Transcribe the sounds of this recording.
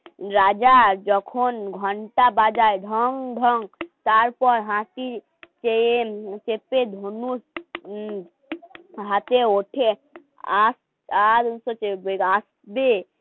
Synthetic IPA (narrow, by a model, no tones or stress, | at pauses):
ɾad͡ʒad͡ʒɔkʰonɡʱɔɳʈabad͡ʒaeɖʱɔŋɖʱɔŋt̪aɾpɔɾɦãʈi | t͡ʃet͡ʃeped̪ʱonus | ɦat̪eoʈʰe | as | ad̪nsot͡ʃebeas | be